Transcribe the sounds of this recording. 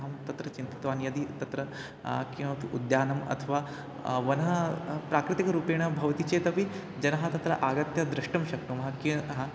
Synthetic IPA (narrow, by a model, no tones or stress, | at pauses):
ɦɐmt̪ɐt̪ɾɐt͡ɕint̪i̥t̪ʋaːnjɐd̪it̪ɐt̪ɾɐ | kĩwʋɐt̪ʰiʔud̪jaːnɐmɐ̰t̪ʰɐʋaː | ʋɐnɐɦɐpɾaːkɾɪt̪ikɐɾuːpeːɽ̃ɐbʱɐʋɐt̪it͡ɕet̪ɐpi | d͡ʒɐnɐɦɐt̪ɐt̪ɾɐʔaːɡɐt̪jɐd̪ɾɪʂʈɐmɕɐk̚t̪umɦɐkiɦa